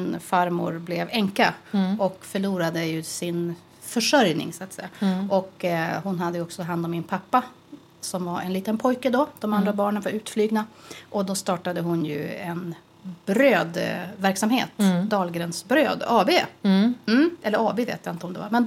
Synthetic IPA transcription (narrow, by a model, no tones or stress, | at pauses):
nfaɾmʊ̰ɾblɛvɛŋkaɔkfœɭuːɾad̪əjɵsɪn | fœʂœɾjnɪ̰ŋsʊat̪sɛjːaʔɔkhʊnɦad̪ːəjɔksɔt̪ɦand̪ɔmːɪnpʰapːa | sɔmvaɾɛ̰nliːt̪ənpʰɔjkəd̪ɔd̪̥ɔmand̪ɾabɑːɳənvaɾʉ̟ːt̪flyːɡnaʔɔd̪ɔst̪ɑːʈad̪əɦʊnjɵ̰ɛn | b̥ɾøːd̪væɾksamhḛːt̪d̪ɑːlɡɾɛnsbɾøːd̪ɑːbeːm̩ɛlːəɾɑːbeːvḛːt̪jaɪnt̪əɔmd̪ɛva̰ɾmɛn